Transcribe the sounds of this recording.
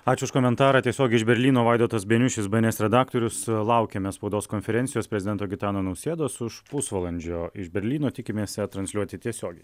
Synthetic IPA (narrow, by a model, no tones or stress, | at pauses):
ɑːt͡ʃʲʊʊʃkoːmʲɛnt̪ɑːɾɑːt̪ʲiɛsʲoːɡʲɛɪʒbʲɛɾʲlʲiːnoːʋɑɪd̪oːt̪ɐsbʲeɛnʲʊʃʲɪsbɐnʲeːsɾʲɛd̪ɑːkt̪oːɾʲʊslˠɐʊkʲɛmʲɛspɐʊd̪oːskoːnʲfʲɛɾʲɛnsʲɪjoːspʲɾɛzʲɪd̪ʲɛnt̪oːɡʲɪt̪ɑːnoːnɐʊsʲeːd̪oːsʊʃpʊsʋɐlˠɐnʲd͡ʒʲoːɪʃbʲɛɾʲlʲiːnoːt̪ʲɪkʲɪmʲeːsʲt̪ɾɐnsʲlʲuɔt̪ʲɪt̪ʲiɛsʲoːɡʲɛɪ